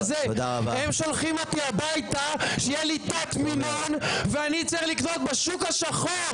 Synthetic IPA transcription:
zeod̪aʁabaemʃo̞lχimo̞t̪iabajt̪aʃejelit̪at̪mimonveanit͡saeχliknot̪̚beʃukhaʃaχo

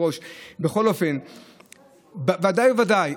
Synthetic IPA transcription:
o̞ʃbeχo̞lo̞fe̞n | bavad̪ajevad̪aj

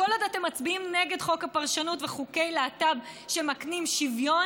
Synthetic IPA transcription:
olod̪ate̞mːat͡sbiimneɡe̞d̪χo̞kapaʁʃanutveχuke̞jleatabʃe̞maknimʃivjo̞

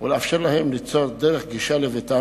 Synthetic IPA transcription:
uleafʃeʁlahemlit͡sod̪eʁeχɡiʃalevet̪a

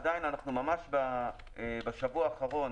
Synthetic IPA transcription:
dajnanaχnumamaʃba | ebeʃavuaːχaʁo̞n

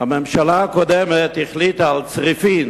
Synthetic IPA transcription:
amɛmʃalaːkodɛmethiχlitaalt͡sʁifin

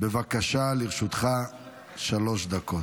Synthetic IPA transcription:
bevakaʃaliʁʃut̪χa | ʃalo̞ʃd̪ako̞t

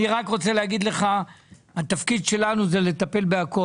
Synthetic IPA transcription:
iʁakʁo̞t͡seleaɡid̪le̞χa | hat̪afkid̪ʃe̞lanuzele̞t̪ape̞lbeako

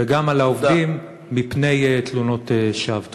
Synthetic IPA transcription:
veɡamalaovdimː | ipne̞jet̪luno̞t̪eʃavt̪

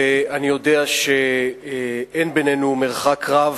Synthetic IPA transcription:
eanijo̞deaʃe | enbenenumeʁχakʁav

